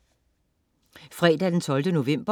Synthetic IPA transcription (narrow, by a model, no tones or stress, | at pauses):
fʁɛ̰ːd̥æd̥ent͡sʰɒ̽ld̥əno̝ʋem̰b̥ɐ